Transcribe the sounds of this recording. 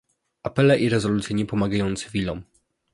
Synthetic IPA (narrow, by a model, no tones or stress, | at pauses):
apɛlɛʔiɾɛzɔlut̪sʲjeɲɛpɔmaɡajɔnt̪sɘvʲilɔm